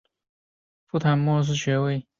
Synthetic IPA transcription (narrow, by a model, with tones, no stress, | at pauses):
fu˥˩t̪ʰa˧˥nmwɔ˥˧ʂ̬ɹ̩˥˧ɕɥɛ˧˥we˥˩ɪ